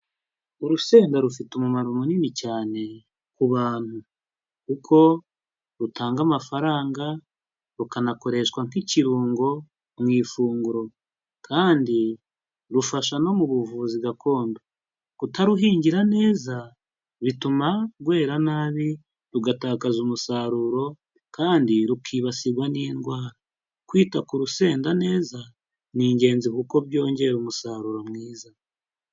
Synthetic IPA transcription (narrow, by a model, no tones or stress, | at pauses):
uɾuse̞ːŋɡaɾufitumumaɾumoninicaːne̞ | kuβaːn̥hu | kukʰo̞ | ɾutʰaːŋɡamafaɾaːŋɡa | ɾukanako̞ɾe̞ʃkwaŋ̥kiciɾuːŋɡo̞ | mwiːfuːŋɡuɾo̞ | kʰaːndi | ɾufaʃano̞muβuvuːziɡakʰo̞ːndo | kutaɾuɦiːɲɟiɾane̞ːza | βitumaɡwe̞ːɾanaːβi | ɾuɡataːkazumusaɾuɾo̞ | kaːndiɾukʰiβasiɾɡwaniːnɡwaːɾa | kwiːtakuɾuse̞ːndane̞ːza | niːɲɟe̞ːnzikuko̞bjo̞ːɲɟe̞ɾumusaɾuɾo̞mŋiːza